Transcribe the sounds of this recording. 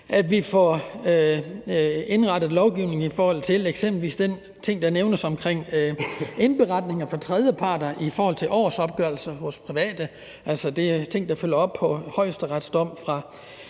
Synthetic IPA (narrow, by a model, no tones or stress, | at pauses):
ʔæd̥ʋifɒø | e̝nʁɑ̈d̥ð̞̩ˠlɒʊɡ̥iʊne̝ŋ̩ifɒːhɒ̽l̰t͡sʰe̝leɡ̥sem̰b̥l̩ʋḭːsd̥en | t͡sʰe̝ŋ̰d̥ɑ̈neʊnəsɒ̽mkʰʁeŋ̰ | e̝nb̥e̝ʁɑ̈d̥ne̝ŋɐfɒ̽t͡sʰʁɛðˠjəpʰɑ̈ːd̥ɐʔifɒːhɒ̽l̰t͡sʰe̝lʔɒ̰ːsɒ̽b̥̚ɡ̥œɐl̩sɐhɔ̽spʰʁiʋɛ̰ːd̥ə | ʔælsəd̥e̝æt͡sʰe̝ŋ̰d̥ɑ̈føl̰ɐɒ̽b̥̚pʰɒ̽hɒ̽ɪ̰sd̥əʁɑd̥sd̥ɒ̽m̰fʁɑ̈